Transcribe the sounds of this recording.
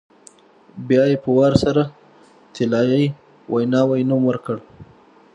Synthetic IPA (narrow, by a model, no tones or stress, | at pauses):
bjɑjepəwɑɾsaɾa | t̪ʰɪlɑjaj | wʔajnɑwajnumwəɾkəɽ